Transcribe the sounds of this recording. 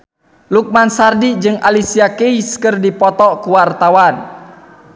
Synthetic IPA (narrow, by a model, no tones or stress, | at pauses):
luk̚mansardid͡ʒɨŋalisiakeiskɨrdipɔt̪ɔkuwart̪awan